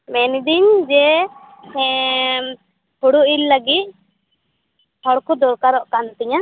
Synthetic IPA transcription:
mɛnd̪iɲd͡ʒɛ | huɽuʔilːəɡit̪̚ | hɔɽkud̪ɔɾkaɾɔʔkant̪iɲa

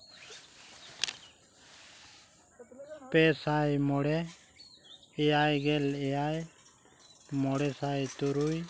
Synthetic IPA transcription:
pɛsajmɔɽɛ | ɛjajɡɛlɛjaj | mɔɽɛsajt̪uɾuj

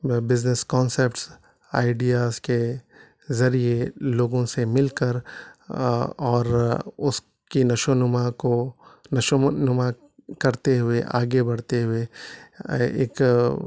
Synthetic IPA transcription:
bɪzneskɔːnsep̚ʈs | a̰ːɪɖijaːzke | zɐɾijeloːɡõsemɪlkəɾ | ɔːɾʊs | kinɐʃonʊmakonɐʃonʊma | kɐɾt̪eɦʊeʔa̰ːɡebɐɽ̤t̪eɦʊe | ḛːk

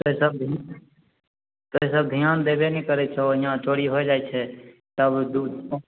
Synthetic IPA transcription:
t̪oeːsəb̪̚ʱ | t̪oːeːsəbd̪ʱɪjãːnd̪eːʋeːnĩːkəɾeːt͡ʃʰoːjãːt͡ʃoːɽiːɦoːeːd͡ʒaːeːt͡ʃʰeː | t̪əbd̪uː

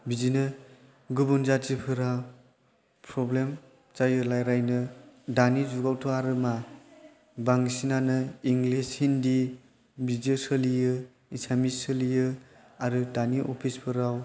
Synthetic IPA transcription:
bid͡ʒinɯ | ɡubunzat͡ʃipʰɯɾa | pʰɾɔblem | t͡ʃajɯlajɾajnɯdanid͡ʒuɡawtʰɔaɾɯma | baŋsinanɯiŋlishindi | bizɯsɯlijɯ | isamisɯlijɯ | aɾɯdaniʔɔ̰pʰispʰɯɾaw

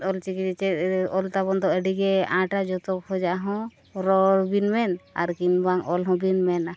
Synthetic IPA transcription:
ɔlt͡ʃikid͡ʒɛt͡ʃɛt̪ɔlt̪abɔnd̪ɔʔəɖiɡɛãʈad͡ʒɔt̪ɔkhɔd͡ʒaʔɦɔ̃ | ɾɔɾbinmɛna̰ɾkinbaŋɔlɦɔ̃binmɛna

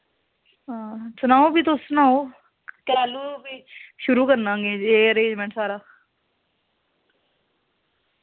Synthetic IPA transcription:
sʊnaːõːbiːt̪oʊnaːoː | kəɾaːluːbiːʃʊɾuːkəɾnãːɡeːeːəɾẽːd͡ʒmɛ̃ːɳʈsaːɾaː

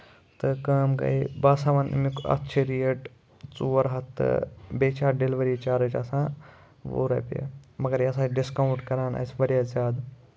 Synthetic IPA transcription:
t̪ɨkəːmɡɐ̰jbaːsaʋɐnmikɐ̰tːt͡ʃʰiɾijəʈ | t͡suʋɐɾɦɐt̪ːɨ̰beːt͡ʃʰaːɾɖelʋɐɾiːt͡ʃaːɾət͡ʃɐ̰sãː | ʋo̰ɾɐ̰ːpḛmɐɡɐɾjɐsãːɖiskawʈkɐɾaːnɐ̰sbɐɽjazʲaːd̪

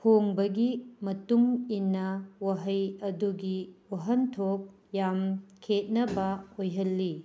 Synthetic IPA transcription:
pʰoŋbɐɡimɐtuŋinːɐwɐɦɐjɐduɡiwɐɦɐntʰok̚ | jamkʰet̚nɐbɐojɦɐlːi

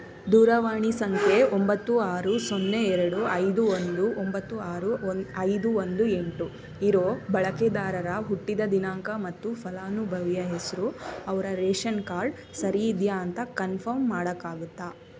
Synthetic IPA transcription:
d̪uːɾɐʋaːɳisɐŋkʰeombɐt̪ːuaːɾusonːeɛɾɐɽuɐjd̪uond̪uʔombɐt̪ːuaːɾunɐjd̪uond̪ueɳʈu | iɾoːbɐɭɐked̪aːɾɐɾɐɦuʈːid̪ɐd̪inaːŋkɐmɐt̪ːupʰɐlaːnubʱɐʋijɐɦesɐɾuɐʋɐɾɐɾeːʃɐnkaːɾɖ | sɐɾijːd̪jaːnt̪ɐkɐnpʰɐɾmːaːɽɐkːaːɡut̪ːaː

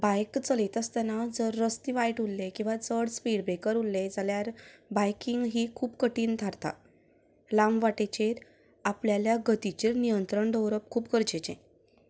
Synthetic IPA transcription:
bajkt͡səlet̪əst̪anad͡zəɾːəst̪iʋajʈulːekĩw̃ʋat͡səɽspiɽbekəɾulːẽd͡zaljaɾbajkiŋɡɦiːkʰuːpkəʈiːnt̪ʰaɾt̪a̰ | lãmʋaʈet͡ɕeɾ | apljaljaɡət̪it͡ɕeɾnijənt̪ɾəɳɖəwɾəp̚kʰuːpkəɾd͡ʑet͡ɕḛ̃

